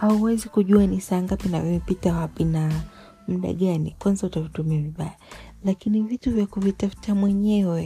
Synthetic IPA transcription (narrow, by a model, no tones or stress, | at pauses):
hauwɛzikuʄuanisaŋɡapinavɔmipitawapina | m̩ɗa̰ɠanikwanzautavitumiaviɓajalakinivituvjakuvitafu̥tamwɛɲɛwɛ